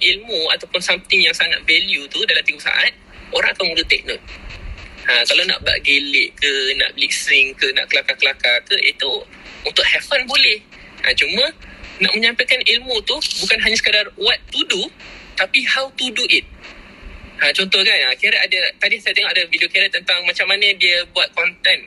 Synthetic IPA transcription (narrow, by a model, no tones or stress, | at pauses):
ʔilmua̰t̪awpʊnsamt̪ɪŋjaŋsaŋa̰t̪̚vɛljut̪udalamt̪iɡusa̰ʔa̰t̪̚ | oɾãŋakamudət̪ɛ̰k̚nʊn̚ | əkalawna̰ʔba̰ʔɡelɪʔkənã̰ʔbliʔsɾɪŋkəna̰ʔkəlakakəlakakəʔḭt̪u | unt̪ʊʔ̚hɛfənbolɛhʔat͡ʃumə̃naʔ̚mə̃ɲãmpajkanilmut̪ubukanɦaɲasə̥kədarwat̪ːudut̪apihawt̪uduʔit̪̚ | ʔat͡ʃɔnt̪ɔhkanakiaɾaʔadət̪adiasat̪əŋaʔadəvidiokaɾaʔt̪ːənt̪aŋmat͡ʃamːanədiəbuat̪̚kɔnt̪ɛn